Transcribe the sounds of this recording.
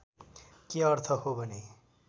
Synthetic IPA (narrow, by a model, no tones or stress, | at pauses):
keʌrt̪ʰʌɦobʱʌne